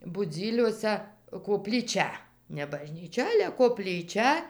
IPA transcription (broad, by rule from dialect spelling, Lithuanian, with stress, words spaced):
bʊˈd͡zʲiːlʲuɔsʲæ koːpʲlʲiːˈt͡ʃʲɛ nʲɛ bɐʒʲnʲiːˈt͡ʃʲɛ ˈɑːlʲɛ koːpʲlʲiːˈt͡ʃʲɛ